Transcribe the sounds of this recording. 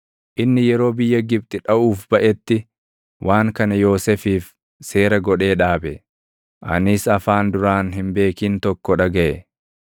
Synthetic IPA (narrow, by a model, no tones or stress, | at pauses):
ʔɪnːɪjɛɾo̞ːbɪjːɐɡɪb̚t̪ʼɪᶑɐʔuːfb̥ɐʔɛt̪ːɪ | wʔaːŋkɐnɐjo̞ːsɛfiːf | se̞ːɾɐɡɔᶑe̞ːᶑaːbɛ | ʔɐ̰nɪsɐfaːnd̪ʊɾaːnɦɪmbe̞ːkiːnt̪ɔkːɔᶑɐɡɐʔɛ